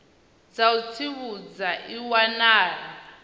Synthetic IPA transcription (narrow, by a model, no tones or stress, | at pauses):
d͡zaut͡sʰiβud͡zaʔiwanaːra